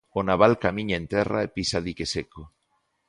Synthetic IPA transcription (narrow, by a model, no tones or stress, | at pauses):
onaβ̞alkamĩɲaẽnt̪ɛra̰episaðikeseko